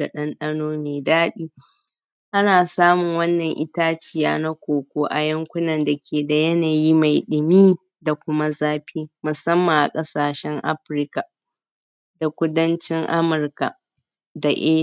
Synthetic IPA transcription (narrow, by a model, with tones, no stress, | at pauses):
a˨ɗɐ˦nɗɐ˦noː˦meː˨daː˦ɗiː˦ | ʔa˦naː˨saː˦mʊ˨ŋwɐ˦nːɐ˨ŋʔɪ˦taː˦t͡ʃɪ˦jaː˦na˦kʷoː˨kʷoː˦ʔa˨jɐ˦ŋkʷʊ˦nɐ˨nda˨kʲʰeː˨da˨jɐ˦naː˨ji˦ma˨jɗɪ˨miː˦ | da˨kʷʊ˦ma˦zaː˦ɸiː˦mʊ˨sɐ˦mːa˨ʔa̰˨kʼɐ˦saː˨ʃɛ˦ŋʔa̰˦ɸɾɪ˦ka˨ | da˨kʷʊ˦dɐ˦nt͡ʃɪ˦ŋʔa̰˦mʊ˨rka˨ | da˨ʔeː˦